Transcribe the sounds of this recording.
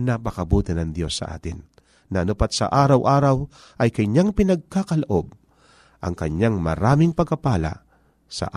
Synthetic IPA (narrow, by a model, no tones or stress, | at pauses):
nɐpɐkɐbuːt̪ɪnɐŋd̪jo̞sːɐ̰ʔa̰ːt̪ɪnː | ɐʔnʊpat̪̚sɐ̰ʔaːɾɐwʔaːɾɐw | ʔɐjkɐjɲaŋpɪnɐɡ̚kakɐlɐʔob̚ | ʔɐŋkɐɲːaŋmɐ̰ɾaːmɪŋpɐɡ̚kːɐpaːla̰ | sɐ̰ʔ